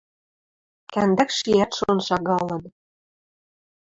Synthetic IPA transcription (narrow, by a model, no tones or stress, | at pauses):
kænd̪ækʃiæt̪ʃonʃɑɣɑlɤ̆n